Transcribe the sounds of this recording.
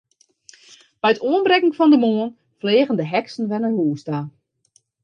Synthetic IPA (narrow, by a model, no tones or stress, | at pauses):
b̥ɛjətʰoənbrɛkŋ̩fɔndəmoːən | fleːɣəndəɦɛksn̩ʋɛnərhuːsta